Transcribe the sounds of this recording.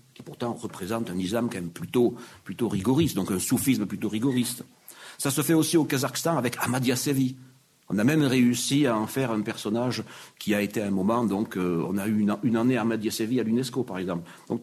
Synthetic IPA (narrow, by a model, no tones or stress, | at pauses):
kʲi̥puʁt̪ɑ̃ʁəpχezɑ̃t̪ɛ̃nizlamkɑ̃mɛmplyt̪oplyt̪oʁiɡɔʁist̪d̪ɔ̃kɛ̃sufisməplyt̪oʁiɡɔʁist̪ | sasəfɛosiokazakst̪ɑ̃avɛkʰamad̪jasevi | ɔ̰̃namɛmʁeysiaɑ̃fɛʁɛ̃pɛʁsɔnaʒkʲiaet̪eɛ̃mɔmɑ̃d̪ɔ̃køɔ̰̃nayːñynɑ̃neamad̪jasevialynɛskopaʁɛɡzɑ̃pl | d̪̥ɔ̃k